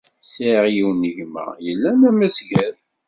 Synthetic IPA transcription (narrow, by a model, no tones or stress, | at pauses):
siʁjiwnːəʝmæ̰jəlːænæmæsɡæð